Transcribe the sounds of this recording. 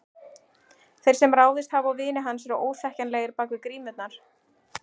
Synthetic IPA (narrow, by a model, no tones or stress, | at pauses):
θej̥sɛmraːwðɪst̪havawvɪːnɪɦanːsɛɾaʔoːwθɛhcanlɛɣɪɾpaːkʏkɾiːmʏt̪naɾ̥